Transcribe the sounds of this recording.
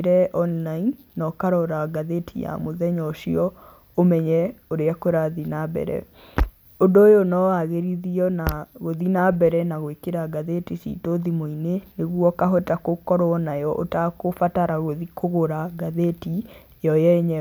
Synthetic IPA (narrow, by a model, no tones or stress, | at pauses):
ɾɛʔɔnlainːɔkaɾɔɾaɡaðetʰḭja̰moðɛɲɔʃiɔ | omɛɲɛoɾeakoɾaðinabɛ̰ɾɛ̰ | odojonɔwaɣeɾiðiɔnaɣoðinabɛɾɛnaɣoekeɾaɡaðetisḭtoðimoineneɣwɔkaɦɔtakokɔɾɔɔnajɔʔotakofataɾaɣoðikʰoɣoɾaɡaðeti | jɔjɛɲɛ